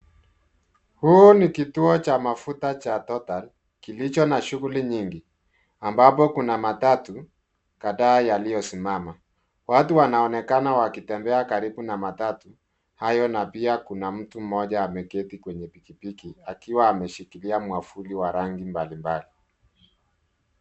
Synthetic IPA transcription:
huɔnikituɔt͡ʃamafutat͡ʃatɔtal | kilit͡ʃɔnaʃuɣuliɲiŋɡi | ambap̬ɔkunamatatu | kaðaːjalijɔsimama | watuwanaɔnɛkanawakitɛmbɛakaɾiɓunamatatu | hajɔnapiakunam̩tum̩mɔʄaːmɛkɛtikwɛɲɛpikipikiakiwaːmɛʃikiliamwafuliwaɾaŋɡimbalimbali

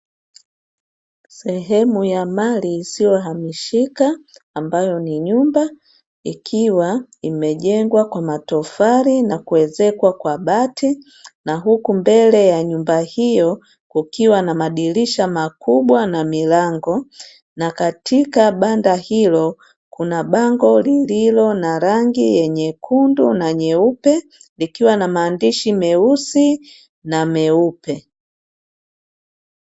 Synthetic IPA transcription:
sɛɦɛmujamaliːsiɔɦamiʃikaːmbajɔniɲumba | ikʰiwaimɛʄɛŋɡwakwamatɔfaɾinakuwɛzɛkwakwaɓatʰi | naɦukumbɛlɛjaɲumbahijɔ | kukiwanamaɗiliʃamakuɓwanamilaŋɡɔ | nakatʰikaɓandahilɔ | kʰunaɓaŋɡɔlililɔnaɾaŋɡijɛɲɛkʰundunaɲɛupɛ | likiwanamaːndiʃimɛusi | namɛupɛ

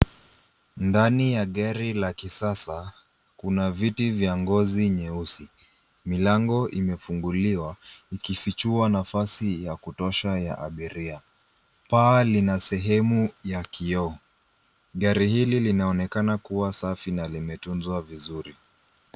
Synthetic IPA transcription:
ndanijaɠaɾilakisasa | kunavitivjaŋɡɔziɲɛusi | milaŋɡɔʔimɛfuŋɡuliwaikifit͡ʃuanafasijakutɔʃaja̰ʔaɓiɾia | paːlinasɛɦɛmujakiɔ | ɠaɾihililinaɔnɛkanakuwasafinalimɛtunzwavizuɾi

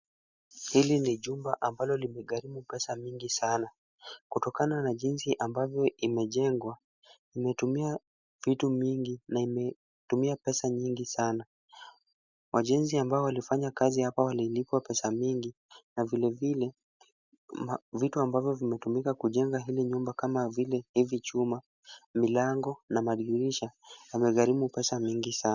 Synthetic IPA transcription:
hiliniʄumbaʔambalɔlimɛɠaɾimupɛsamiŋɡisana | kutɔkananaʄinsiʔambavjɔʔimɛʄɛŋɡwa | imɛtumia | vitumiŋɡinaimɛ | tumiapɛsaɲiŋɡisana | wʔaʄɛnziambaɔwalifaɲakazihapawalilipwapɛsamiŋɡi | navilɛvilɛ | vituambavjɔvimɛtumikakuʄɛŋɡaɦiliɲumbakamavilɛhivit͡ʃuma | milaŋɡɔnamaɗiɾiʃawamɛɣaɾimupɛsamiŋɡisa

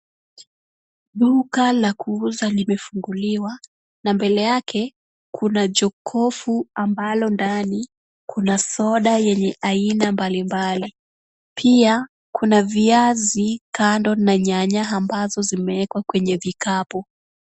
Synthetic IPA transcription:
ɗukalakuuzalimɛfuŋɡuliwa | nambɛlɛjakʰɛ | kʰunad͡ʒɔkʰɔfuambalɔndani | kʰunasɔɗajɛɲɛʔainambalimbali | pʰia | kʰunaviazikandɔnːaɲaɲaɦambazɔzimɛɛkwakwɛɲɛvikapɔ

